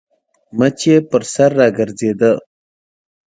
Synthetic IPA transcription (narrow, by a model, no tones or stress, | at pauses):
mət͡ʃepəɾsaɾːaɡəɾzed̪ə